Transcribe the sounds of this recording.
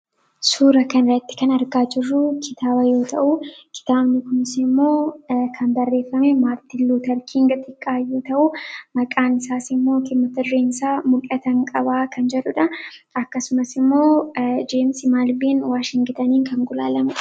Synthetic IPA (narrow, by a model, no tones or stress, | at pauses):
suːɾɐkɐnɾɐt̪ːɪ̥kɐnɐɾɡaːd͡ʒɪrːʊkʰɪt̪ʰaːbɐjo̞ːt̪ʰɐʔʊkʰɪ̥t̪aːbnɪkʊnɪsɪmːo̞ːkʰɐnd̪ɐrːe̞ːfːɐmɛmaːɾt̪ɪlːuːt̪ɐɾkʰiːŋɡɐt̪ʼɪkʼːaːjoːt̪ɐʔʊmɐkʼaːnɪsaːsɪmːo̞ːkɪmːɐt̪ɪrːeːnsaːmʊkʼɐt̪ɐŋkʼɐbaːkʰɐnd͡ʒɛᶑʊᶑɐɐkːɐsʊmɐsɪmːo̞ːd͡ʒeːmsɪmaːlbiːnwaːʃɪŋɡɪt̪ɐniːŋkɐŋɡʊlaːlɐmʊ